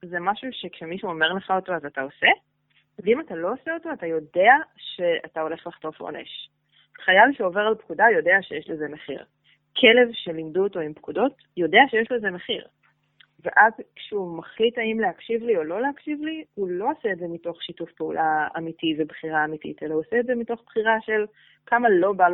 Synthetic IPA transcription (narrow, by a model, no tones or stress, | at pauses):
zemaʃuʃekʃemiʃuome̞ʁle̞χao̞to̞azataose̞ | veimatalo̞oseoto̞atajo̞de̞aʃe̞a̰tao̞le̞χlaχto̞fo̰nḛʃ | χajavʃeoveʁalpkudajo̞de̞aʃejeʃlezemeχḭʁ | kʰele̞vʃelimduoto̞impkudo̞t | jo̞deaʃejeʃlezemeχiʁ | vḛʔazkʃeumaχlitaimlehakʃivlio̞lo̞lehakʃivlihulo̞aseːtze̞mito̞χʃitufpeṵlʔaa̰mitivebχiʁaːmitḭte̞lahuaseːtzemito̞χb̥χiʁaʃe̞l | kamalo̞bal